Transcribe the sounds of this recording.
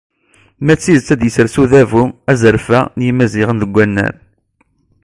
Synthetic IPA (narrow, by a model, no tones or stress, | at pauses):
mæt͡sːizt͡sːæd̪jəsəɾsuðævumæzəɾfænjimæzɪʁənðəɡʷːænːæ̰n